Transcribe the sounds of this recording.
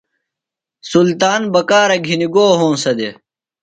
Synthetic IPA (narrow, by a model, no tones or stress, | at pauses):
sult̪aːnbɐkaːɾɐɡʱiniɡoːɦõːnsɐd̪e